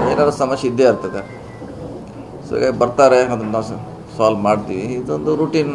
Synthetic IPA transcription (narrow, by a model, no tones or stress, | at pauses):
eːnaːɾɐsɐmɐʂɐid̪ːeɐɾt̪ɐt̪e | so̰ḭɡaːɡebɐɾt̪aːɾeɐd̪ɐnnaw | saːlmaːɖt̪iːʋiːd̪ond̪uɾuːʈiːn